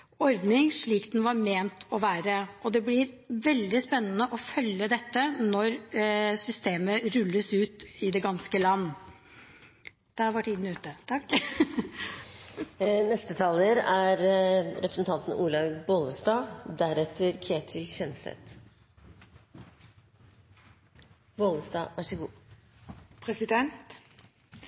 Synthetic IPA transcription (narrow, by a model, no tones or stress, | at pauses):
ɔɾd̪nɪŋʂɭiːkd̪ɛnʋɑɾmeːnt̪ʰɔʋæːɾəʔɔd̪ɛblɪɾʋɛld̪ɪspɛnːənəʔɔfœlːəd̪ɛt̪ːənɔɾsʏst̪eːməɾʉlːəsʉːt̪ɪd̪ɛɡɑnskəlɑnː | d̪̥ɛhɑʋæʈːɪnnːəʉːt̪ːət̪ʰɑkː | nɛst̪ət̪ʰɑːləɾæɾɾʔɛpɾəsn̩t̪ʰɑnt̪n̩ʔuːlɑʋboləsd̪ɑːd̪æɾɛt̪ʰəɾkʰɾeːt̪ʰɪlçɛnsɛ̰t̪ | boːləsd̪ɑ̰ːʔæʂɪɡuː | pʰɾɛsɪd̪ɛnt̪